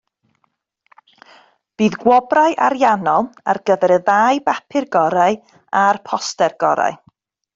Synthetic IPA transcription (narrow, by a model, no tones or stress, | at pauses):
b̥iːðɡwɔbrajʔaɾjanɔlˠarɡ̥əvɛɾəðajbapʰɪrɡɔɾaj | arpʰɔstɛrɡ̥ɔɾa̰ɨ